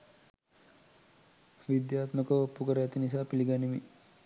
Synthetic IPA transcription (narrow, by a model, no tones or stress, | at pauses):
ʋid̪jaːt̪məkəopːukəɾəæt̪inisaːpiliɡanimi